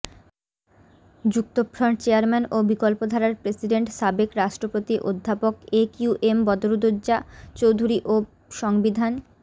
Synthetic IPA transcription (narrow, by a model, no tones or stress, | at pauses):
d͡ʑuk̚t̪opɾoɳʈt͡ɕeaɾmɛnobikolpod̪ʱaɾaɾpɾesiɖeɳʈʃabekɾaʃʈɾopot̪iʔo̰d̪ʱːapokekuʔembɔd̪oɾod̪od͡ʑːʑat͡ɕowd̪ʱuɾiʔo | ʃɔŋbid̪ʱan